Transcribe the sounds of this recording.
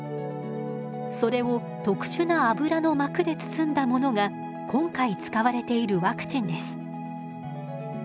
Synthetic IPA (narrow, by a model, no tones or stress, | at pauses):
so̞ɾe̞o̞ | t̪o̞kɯ̟̥ɕɨnaabɯ̟ɾano̞makɯ̟d̪e̞t͡sɨ̥t͡sɨ̃nd̪amo̞no̞ɡa | kʰõ̞ŋkait͡sɨ̥kaβaɾe̞t̪e̞iɾɯ̟βakɯ̟̥t͡ɕĩnd̪e̞sɨ̥